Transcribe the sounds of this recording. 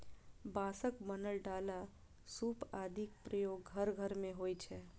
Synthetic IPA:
baːsəkmənəlɖaːla | suːpaːd̪ʱik̚pɾəjoːɡɦəɾɡʱəɾmẽɦoːjt͡ʃʰɛː

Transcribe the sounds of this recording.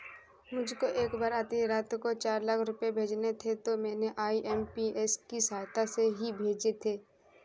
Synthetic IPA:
mʊd͡ʒʱkoʔeːkbaːɾaːt̪niɾaːt̪kot͡ʃaːɾləkʰɾʊpjebʱeːd͡ʒnet̪ʰet̪omɛːneʔaːiʔɛːmpiɛːskisaːjt̪aseɦibʱeːd͡ʒet̪ʰeː

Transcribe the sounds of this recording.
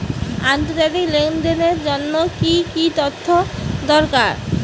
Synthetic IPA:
ant̪oɾd͡ʑat̪iklenɖeneɾd͡ʑonːokikit̪ot̪ʰːod̪ɔɾkaɾ

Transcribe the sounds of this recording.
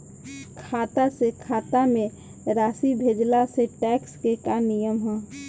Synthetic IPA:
kʰaːt̪asekʰaːt̪amẽ | ɾaːsibʱeːd͡ʒlaseʈɛːkskekanijəmɦɛː

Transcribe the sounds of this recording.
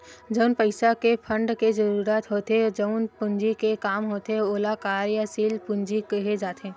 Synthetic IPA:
d͡ʒəʊnpəɪsakepʰə̃ɳɖkezɐɾuːɾaːt̪ɦoːt̪ed͡ʒəʊnpʊ̃ɲd͡ʒikekaːmɦoːt̪eoːlakaːɾjasiːlpʊ̃nd͡ʒikɐɦed͡ʒaːt̪ẽː

